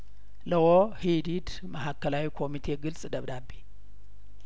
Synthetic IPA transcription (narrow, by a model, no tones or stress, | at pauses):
ləwohid̪id̪ | maɦakʰːəlawikʰo̞mit̪ʰe̞ɡɨlsʼd̪əβd̪abi